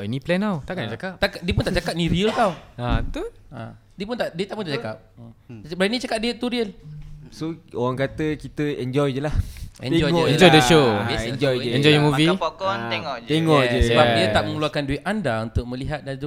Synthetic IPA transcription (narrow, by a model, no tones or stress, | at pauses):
iniplɛnawt̪akt͡ʃakap̚t̪akaʔdiəp̬unt̪aʔt͡ʃakap̚nĩɾiəlt̪awat̪uã̰ | diəp̬unt̪aʔdiət̪aʔpunt̪aʔt͡ʃakap̚əbɾanĩt͡ʃakap̚diət̪̚t̪uɾiəlsooɣaŋkat̪əkit̪əɛnd͡ʒɔjd͡ʒəlahɛ̰̃nɔjŋɔɛ̃nd͡ʒɔjdəʃond͡ʒɔjəɛ̃nd͡ʒɔjmuvipkɔneŋɔʔt̪eŋɔʔd͡ʒəsəbap̚diat̪aʔ̚mə̃ŋuluakanduit̪ʔandaunt̪ʊk̚mə̃liɦat̪̚dad͡ʒ